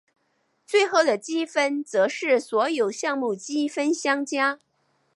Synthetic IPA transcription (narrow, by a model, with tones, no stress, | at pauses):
t͡swe˥˧ɪxo˥˩ʊd̪ə˩t͡ɕi˥fə˥nt͡sɤ˧˥ʂɻ̩˥˩swɔ˧˥jo˨˩ʊɕjɑ˥˧ŋmu˥˩t͡ɕi˥fə˥nɕjɑ˥ŋt͡ɕja˥